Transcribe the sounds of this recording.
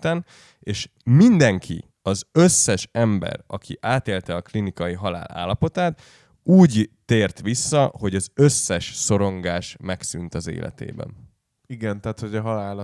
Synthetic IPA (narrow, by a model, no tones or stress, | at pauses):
t̪ɛn | eːʃmind̪ɛŋkʰḭ | ɒzø̞sːɛʃɛmbɛ̰rɒkʰḭʔaːt̪eːlt̪ɛɒklinikɒjiɦɒla̰ːla̰ːlːɒpo̞t̪aːt̪ | uːɟt̪eːrt̪ʋisːɒho̞ɟɒzø̞sːɛʃso̞ɾo̞ŋɡaːʃmɛksynt̪ɒzḛːlʔɛ̰t̪ḛːbɛ̰n | iɡɛnt̪ɛːt̪ho̞ɟɒɦɒlaːl